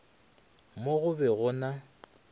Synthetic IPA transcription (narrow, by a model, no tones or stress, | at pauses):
moɣʊbɛɣʊna